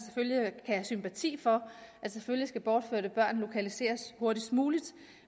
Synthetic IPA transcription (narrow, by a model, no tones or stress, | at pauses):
se̥føljikʰææsympʰæt͡sʰḭːfɒ̽ʔæd̥seføljisɡ̥æb̥ɒːd̥føɐdəb̥ɶɐ̰nlo̝kʰælise̝̰ːɐsho̝ɐɾ̥i̥smuːlid̥